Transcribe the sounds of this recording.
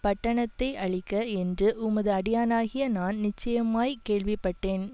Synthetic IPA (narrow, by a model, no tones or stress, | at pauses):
pɐʈːɐɳɐt̪ːɐɪɐɭɪkːɐɛndrɯʔʊmɐðɯɐɽɪjaːnaːɣɪjɐnaːnnɪt͡ʃːɐjɐmaːjkeːɭʋɪpːɐʈːeːn